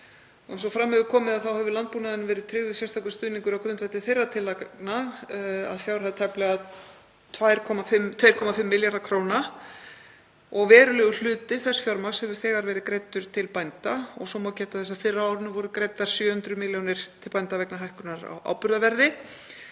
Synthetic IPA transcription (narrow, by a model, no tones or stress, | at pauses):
ɔɛns̬ɔfɾamːɛɣʏɾkʰɔːmɪðaðθawhɛvɪlant̪̚puːnaðɪnːɪvɛːɾɪðt̪ʰɾɪɣðʏsjɛst̪ʰawkʏ̥st̪ʏðniŋkʏɾawkʰɾʏnt̪fvɛjht̪ːɪθfejrːat̪ʰɪlana | a̰ðfjawɾhaðt̪ʰɛplɛɣað | t̪ʰvajɾ̥kʰɔmafɪmt̪ʰvaːjɾ̥kʰɔmafɪmːɪljaɾðakʰɾoːwna | ɔɣvɛːɾʏlɛːɣʏl̥ʏːt̪ɪθɛsfjɔɾmḁshɛvʏ̥ɾ̥θɛːɣaɾvɛːɾɪkɾejt̪ːʏɾ̥t̪ʰɪlpajnt̪aɔɣsɔmawcɛːt̪aθɛsːaðfɪrːaawɾɪnʏvɔɾʏkɾejt̪ːaɾ̥sjœːhʏnt̪ɾʏmɪljownɪɾ̥t̪ʰɪlpajnt̪avɛknaɦajhkʏɾnaɾa̰wʔa̰wpʏɾðavɛɾðɪ